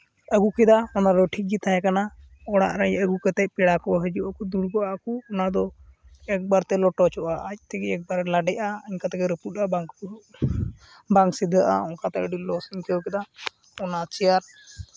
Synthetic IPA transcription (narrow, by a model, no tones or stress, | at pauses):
əɡukɛd̪aɔnaɾɔʈʰik̚d͡ʒit̪aɦɛ̃kana | ɔɽ̃a̰ʔɾaɲəɡukɛt̪ɛc̚pɛɽakɔɦəd͡ʒuʔakud̪uɽkɔʔakuɔnad̪ɔ | ɛk̚baɾt̪ɛlɔʈɔt͡ʃʰɔʔaʔəc̚ˀt̪ɛkɛɛk̚baɾlaɖɛʔaəɲkat̪ɛkɛɾəpuʈ̚abaŋk | baŋksid̪ʱəʔa̰ɔŋkat̪ɛkɖilɔsiɲkɛjɔkɛd̪a | ɔnat͡ʃɛjaɾ